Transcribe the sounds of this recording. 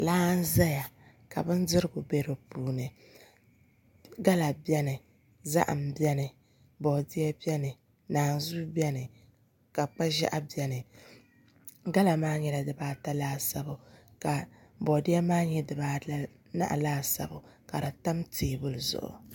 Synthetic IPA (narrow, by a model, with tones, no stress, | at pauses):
laː˦n˦za˦ja˨ | ka˨bɨ˦n˦dɨ˦ɾɨ˦ɡʊ˨be˦ɾɨ˨puː˦nɨ˨ | ɡa˦la˨bɛ˦nɨ˨ | za̰˦ʔm̩˨bɛ˦nɨ˨ | bɔ˨dɪ˦ɛ˦bɛ˦nɨ˨ | naː˨n˨zuː˦bɛ˦nɨ˨ | ka˨k͡pa˦ʒɛ̰˦ʔa˦bɛ˦nɨ˨ | ɡa˦la˨maː˦ɲɛ˨la˨dɨ˨baː˦ta˦laː˦sa˦bʊ˨ka˨bɔ˨dɪ˦ɛ˦maː˦ɲɛ˦dɨ˨baː˦ | na̰˦ʔa̰˨laː˦sa̰˨bʊ˨ka˨ɾɨ˨ta˦mtʰiː˨bʊ˦lzʊ̰˨ʔʊ̰˨